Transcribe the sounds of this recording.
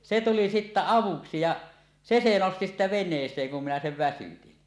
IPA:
se tuli sitːæ ɑʋuksi jɑ se se nosti sitːæ ʋenˑeːsˑeːŋ kun minæ seʋ ʋæsytin

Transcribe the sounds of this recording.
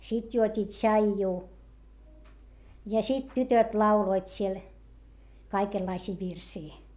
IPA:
sit juotʲi tʃɑijːuː jɑ sit tytøt lɑuloit siel kɑikelːɑisiː ʋirsiː

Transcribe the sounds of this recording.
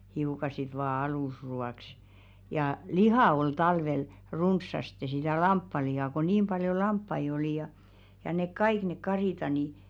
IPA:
hiukɑ sit ʋɑː ɑluˑsruɑˑks jɑ lihɑˑ ol tɑlʋel runsːɑste sitæˑ lɑmpːɑlihɑˑ ko niːm b̥ɑljo lɑmpːɑi oli jɑ jɑ nek kɑik ne kɑriˑtɑ ni

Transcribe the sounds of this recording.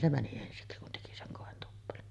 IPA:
se mæni ensiksi kun teki seŋ koˑentupːelon

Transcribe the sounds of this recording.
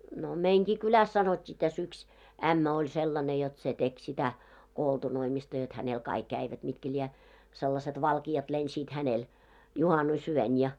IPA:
no meiŋɡ̊i kylæs sɑnotʲːiː tæs yks æmːæ olʲ selːɑne jot se tek sitæ koltunoimistɑ jot hænel kɑik kæiʋæt mitkæ lʲiɛ selːɑset ʋɑlkiɑt lensiːt hænel juhɑnusyøn jɑ

